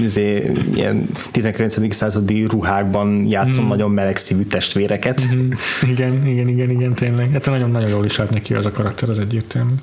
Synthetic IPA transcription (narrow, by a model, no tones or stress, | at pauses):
izeːḭjɛ̰nt̪izɛŋkilɛnt̪sɛd̪iksaːzɒd̪iruɦaːɡ̚bɒnjaːt̪so̞mnɒɟo̞mːɛlɛksiːvyt̪ɛʃt̪ʋeːɾɛkɛt̪iɡɛniɡɛniɡɛniɡɛnt̪eːnlɛɡɛt̪ːɛnɒɟonːɒɟonjoːliʃlaːt̪nɛkiɛ̰zɒkɒɾɒkt̪ɛɾɒzɛɟːeːrt̪ʰɛlmyː